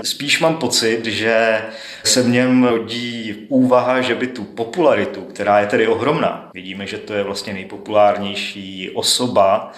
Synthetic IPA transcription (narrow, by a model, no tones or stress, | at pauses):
spiːʃmampo̞t͡sɪt̪ʒɛ | sɛvɲɛmoɟiːʔuːvaɦaʒɛbɪt̪upo̞pulaɾɪt̪ukt̪ɛɾaːjɛt̪ɛɾɪo̞ɦɾo̞mna̰ːvjɪɟiːmɛʒɛt̪o̞jɛvlast̪ɲɛnɛjpo̞pulaːɾɲɛjʃiːʔo̞so̞ba